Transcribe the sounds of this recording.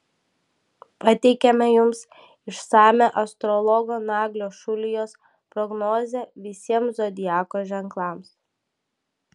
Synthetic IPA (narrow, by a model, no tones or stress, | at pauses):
pɐt̪ʲɛɪkʲɛmʲɛjʊms | ɪʃsɑːmʲɛʔɐst̪ɾɔlˠɔɡoːnɑːɡlʲoːʃʊlʲɪjoːs | pɾɔɡnɔːzʲɛʋʲɪsʲiɛmszɔd̪ʲɪjæːkoːʒʲɛŋklˠɑːms